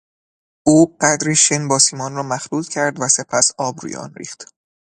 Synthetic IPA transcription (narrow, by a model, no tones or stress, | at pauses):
ʔuːɢ̥æd̪ɾiʃenbɒːsiːmɒːnrɒːmæxluːlcʰæɾd̪væse̞pʰæsɒːbɾṵːjḛʔɒ̰ːnrḭːxt̪